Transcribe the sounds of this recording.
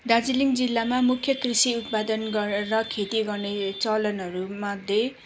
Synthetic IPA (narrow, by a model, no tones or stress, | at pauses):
d̪ad͡ziliŋd͡zilːamamukʰːjʌkrisiut̪̚pad̪ʌnɡʌrrʌkʰet̪iɡʌrnet͡sʌlʌnɦʌɾumad̪ʱːje